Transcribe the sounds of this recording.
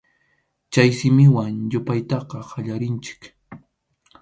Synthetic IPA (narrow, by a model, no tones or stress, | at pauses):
t͡ʃajsɪmɪwaŋjʊpajt̪ɑqɑhaʎaɾɪnt͡ʃɪ̥k